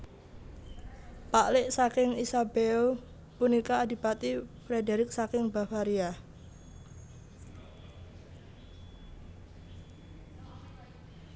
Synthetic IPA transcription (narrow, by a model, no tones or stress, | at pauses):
paʔlɪʔsakɪŋisabeo | punikaːdi̤pat̪ifɾedeɾɪk̚sakɪŋbafaɾia